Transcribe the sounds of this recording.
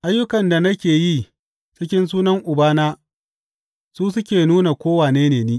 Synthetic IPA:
ʔa˦jːʊ˦kɐ˨nda˨nɐ˦kʲeː˨ji˦ | t͡ʃɪ˦kʲɪ˦ns̬uː˦nɐ˦ŋʔʊ˨baː˦naː˦ | suː˦s̬ʊ˦kʲeː˨nuː˦na˨kʷoː˦waː˨neː˦neː˨niː˦

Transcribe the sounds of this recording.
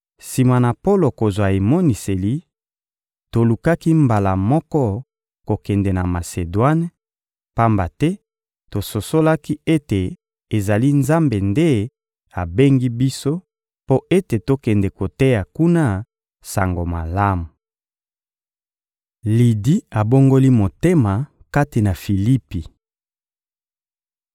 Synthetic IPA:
si˨ma˨na˨po˦lo˨ko˨zwa˨e˨mɔ˦ni˨se˨li˦ | to˨lu˨ka˦ki˦mba˨la˨mɔ˦kɔ˦ | ko˨kɛ˨ndɛ˨na˨ma˨se˨dwa˦n˦ | pa˦mba˨tɛ˦ | to˨so˨so˦la˦ki˦e˦te˨ | e˨za˨li˦nza˦mbe˨nde˦ | a˨be˦ŋɡi˦bi˦so˦ | po˦ʔe˦te˨to˦kɛ˨ndɛ˨ko˨te˦ja˨ku˦na˦ | sa˨ŋɡo˨ma˨la˦mu˨ | li˨di˦a˨bo˦ŋɡo˦li˦mo˨te˦ma˨ | ka˦ti˨na˨fi˨li˦pi˨

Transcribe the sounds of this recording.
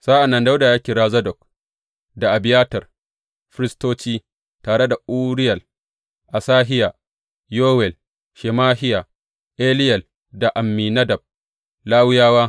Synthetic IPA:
z̥aː˦ʔa˨nːɐ˦nda˦wdaː˨jaː˦kʲiː˨ɾaː˨zɐ˦dɔ˨k̚ | da˨ʔa˨bɪ˦jaː˦tɐ˨r | ɸɪ˦ɾɪ˦stoː˦t͡ʃiː˦ | taː˨ɽe˦da˨ʔu˦ɽɪ˦jɐ˨l | ʔa˨saː˦ɦɪ˦ja˨ | joː˦wɛ˨l | ʃɛ˨maː˦hɪ˦ja˨ | ʔeː˦lɪ˦jɐ˨l | da˨ʔa˨mːiː˨nɐ˦dɐ˨b̚ | laː˦wʊ˦jaː˦waː˦

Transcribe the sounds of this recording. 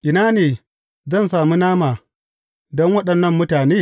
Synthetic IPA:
ʔɪ˨naː˦neː˨ | zɐ˦nsaː˨mu˦naː˦maː˨ | dɔ˦ŋwɐ˦ɗɐ˨nːɐ˦˨mːʊ˦taː˨neː˦˨

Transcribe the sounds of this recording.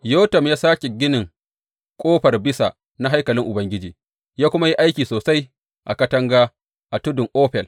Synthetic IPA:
joː˦tɐ˨mjaː˦saː˦kʲe˨ɡʲɪ˦nɪ˨ŋ | kʷʼoː˦ɸɐ˨rbɪ˦sa̰˨ | na˦ɦa˦jkɐ˨lɪ˦ŋʔʊ˨bɐ˦ŋɡʲɪ˦d͡ʒiː˨ | jaː˦kʷʊ˦ma˦ji˦ʔa˦jkʲiː˨soː˨sa˦j | ʔa̰˨kɐ˦tɐ˦ŋɡaː˦ | ʔa˨tʊ˦dʊ˨ŋʔoː˦ɸɛ˨l

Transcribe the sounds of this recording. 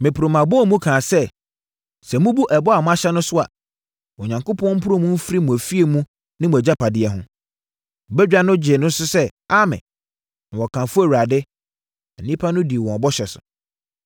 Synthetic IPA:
mɪ̃˨pʰɾo˨mã˨bɔ˦˨˦mũ˦kʰãː˨sɛ˦ | sɛ˨mũ˦bu˦ʔɛ˨bɔ˦a˨mʊ̃˦a˦ɕɛ˦nʊ̃˦sʊ˦a˨ | ɔ˨ɲã˨ŋkʊ˦pʰɔ̃˦m̩˦pʰʊ˦ɾʊ̃˦mũ˦m̩˦fɾi˦mũ˨æ˨fi˦e˨mũ˦ | nɪ̃˦mũ˨æ˨d͡ʑa˦pʰa˨dɪ˦ɛ˨ɦʊ̃˦˨ | bɛ˦d͡ʑᶣa˦nʊ̃˦d͡ʑɪ˨nʊ̃˦n˦sʊ˦sɛ˦a˦mɪ̰̃˨ | nã˨wɔ˨kʰã˨fʊ˦æ˨wu˨ɾa˨dɪ˦ | ɛ˨nĩ˦pʰa˦nʊ̃˦di˨e˨wɔ̃˨a˨bɔ˦ɕɛ˨sʊ̥̰˨

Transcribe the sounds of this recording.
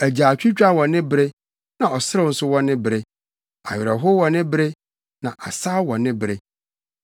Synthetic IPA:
æ˨d͡ʑaː˨t͡ɕᶣi˦t͡ɕᶣa˦wɔ̃˨nɪ̃˦bɪ˦ɾe˦ | nã˨ɔ˨sɪ˦ɾɪ˦˨n̩˦sʊ˦wɔ̃˦nːɪ̃˦bɪ˨ɾe˦ | a̰˨ɥɪ˨ɾɛ˨ɦʊ˦wɔ̃˨nɪ̃˦bɪ˦ɾe˦ | nã˨ʔa˨saː˦wɔ̃˨nːɪ̃˦bɪ˨ɾe˦

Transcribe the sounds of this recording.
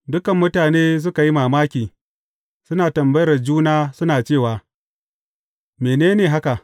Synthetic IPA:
dʊ˦kɐ˨mːʊ˦taː˨neː˦s̬ʊ˦ka˨ji˦maː˨maː˦kʲiː˨ | sʊ˦naː˨tɐ˨mbɐ˦jɐ˦rd͡ʒuː˦naː˦sʊ˦naː˨t͡ʃeː˦˨waː˨ | meː˨neː˦neː˨ɦa˦ka˨ʔ

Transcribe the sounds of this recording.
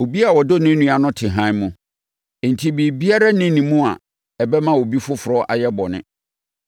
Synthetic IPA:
o˨bi˦a˨wɔ˨do˦nɪ̃˦nũ˦a˨nʊ̃˦tʰɪ˨ɦã˦mũ˨ | n̩˨tʰi˦bi˨bi˦a˦ɾa˦nɪ̃˦nĩ˨mũ˦a˨ | ɛ˨bɛ˦mã˦wo˨bi˦fʊ˦fʊ˨ɾɔ˦ʔa̰˨jɛ˦bɔ˨nɪ̰̃˦

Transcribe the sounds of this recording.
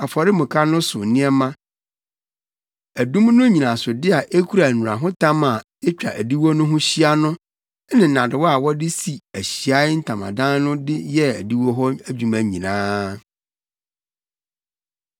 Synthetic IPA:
a˨fɔ˨ɾɪ˦mʊ̃˨kʰa˦nʊ̃˦sʊ˨nɪ̃˦ɛ˦mã˦ | æ˨dũ˦mnʊ̃˦ɲĩ˨nã˨sʊ˨dɪ˦a˨ʔe˦kʰu˦ɾa˨nũ˨ɾa˨ɦʊ̃˦tʰã˦ma˨ | ɛ˦t͡ɕᶣa̰˨ʔæ˨di˦wo˦nʊ̃˦ɦʊ̃˦ɕi˦a˦nʊ̃˦ | nɪ̃˨n̩˨nã˨dɪ˨wɔ˦a˨wɔ˦dɪ˦si˨æ˨ɕi˨a˦ɪ˦n̩˦tʰã˨mã̰˨dã˦n˦nʊ̃˦dɪ˦jɛ˦æ̰˨di˦wo˦ɦɔ˦æ˦d͡ʑᶣu˨mã˨ɲĩ˨nãː˦

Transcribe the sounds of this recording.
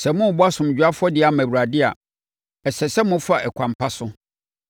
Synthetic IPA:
sɛ˨mʊ̃˦˨bɔ˦a˦sʊ̃˨m˨d͡ʑᶣɥa˦fʊ˦ɔ˦dɪ˨˦a˨mæ̃˨wu˨ɾa˨dɪ˦a̰˨ | ɛ˨sɛ˨sɛ˦mʊ̃˦fa˦˨ʔɛ˨kʰʷã˨mpʰa˦sʊ˦

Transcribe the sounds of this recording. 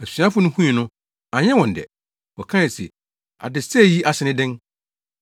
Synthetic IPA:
æ˨sɥã˦fʊ˦nʊ̃˦hũ˦ĩ˨nʊ̃˦ | a˨ɲɛ̃˦wɔ̃˨n˨dɛ̰˨ | wɔ˨kʰã˦ɛ˨si˨ | a̰˨dɪ˨sɛ˦˨ji˦ʔa˨sɪ˨nɪ̃˦dɪ̃˦n

